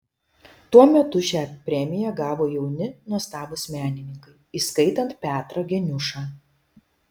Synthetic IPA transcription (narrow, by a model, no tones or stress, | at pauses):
t̪uɔmʲɛt̪ʊʃʲæːpʲɾʲɛmʲɪjɛɡɑːʋoːjɛʊnʲɪnuɔst̪ɑːbʊsʲmʲæːnʲɪnʲɪŋkɐɪiːskɐɪt̪ɐnt̪̚pʲæːt̪ɾɐɡʲɛnʲʊʃɑː